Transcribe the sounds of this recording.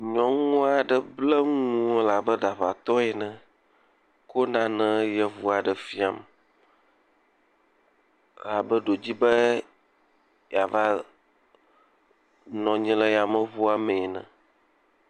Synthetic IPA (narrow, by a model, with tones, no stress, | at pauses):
ɲɔ̃˨ŋũ˦a˨ɖə˨blə˦ŋ̃ũ˦o˦la˨bə˦ɖa˨ɸa˨t̪ɔ˦ɛ˨nɛ̃˨ | ko˦nã˨nə̃˨jɛ˨vu˦a˨ɖə˨fi˦a˨m | la˨bə˦ɖo˨d͡ʑi˦bə˦ | ja˨va˦ | nɔ̃˨ɲĩ˦lɛ˦ja˨mə̃˨βu˦a˨mɛ̃˨nɛ̰̃˨